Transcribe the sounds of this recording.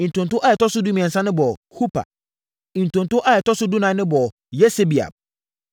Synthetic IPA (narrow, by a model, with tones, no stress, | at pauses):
ĩ˨n̩˨tʰʊ̃˨ntʊ˦ʔa˦jɛ˨tɔ˦sʊ˦du˦mĩ˨ɛ̃˨sã˦nɪ̃˦bɔ˨hu˦pʰa̰˨ | ĩ˨n̩˨tʊ̃˨n˨tʊ̃˦ʔa˦jɛ˨tɔ˦sʊ˦du˦nã˨˦nɪ̃˦bɔ˨ | jɛ˦se˦bi˨a̰˨b̚